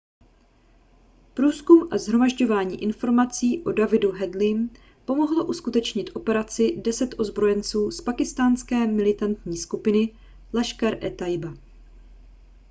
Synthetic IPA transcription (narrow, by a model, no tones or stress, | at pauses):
pɾuːskumʔazɦɾo̞maʒɟo̞vaːɲḭːʔɪnfo̞ɾmat͡siːʔo̞davɪduɦɛdlɪm | po̞mo̞ɦloʔuskut̪ɛt͡ʃɲɪt̪ʔo̞pɛɾat͡sɪdɛsɛt̪ʔo̞zbɾo̞jɛnt͡suːspakɪst̪aːnskɛːmɪlɪt̪ant̪ɲiːskupɪnɪ | lɛʃkaɾʔɛt̪ajba